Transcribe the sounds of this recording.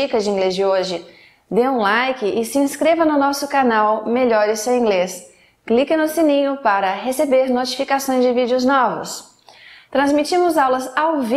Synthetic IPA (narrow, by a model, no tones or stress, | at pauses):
ikɐd͡ʒɪĩŋɡlezd͡ʒɪoʒɪ | d̪eũlajkɪʔɪsɪĩskɾevɐnʊnɔsʊkanawmeʎɔɾɪsẽwĩŋɡles | klikɪnʊsinĩɲʊpaɾɐɦesebeɾnot͡ʃi̥fikasõj̃zd͡ʒɪvid͡ʒɪʊznɔvʊ̰s | t̪ɾɐ̃zmit͡ʃĩmʊzawlɐzawvi